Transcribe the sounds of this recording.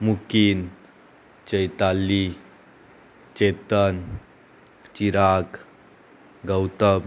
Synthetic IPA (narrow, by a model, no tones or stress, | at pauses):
mukin | t͡ɕəjt̪alːi | t͡ɕɛt̪ən | t͡ɕiɾak | ɡəwt̪əb